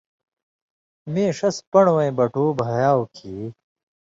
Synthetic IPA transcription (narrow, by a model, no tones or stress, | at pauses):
mẽːʂɐspɐɳwɐ̃j̃bɐʈuːbʱɐjaːwkʰiː